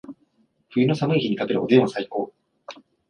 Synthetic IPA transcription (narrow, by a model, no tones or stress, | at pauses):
ɸɯ̟ino̞samɯ̟içiɲ̟ik̪apeɾɯod̪ẽ̞asaiko̞ː